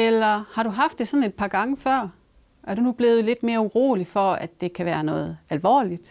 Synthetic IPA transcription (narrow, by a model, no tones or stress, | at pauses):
elɐhɑ̈ɾ̥uɦɑ̈fd̥ːesɒ̽ne̝d̥̚pʰɑ̈ːɡ̥ɑ̈ŋəfɶɐ̰ | ʔæɐɾunub̥le̝ːð̩ˠle̝d̥me̝ːɐuʁo̝̰ːlifɒ̽æd̥ːe̝kʰæʋæːɐnɔ̽ːð̩ˠælʋɒ̰ːlid̥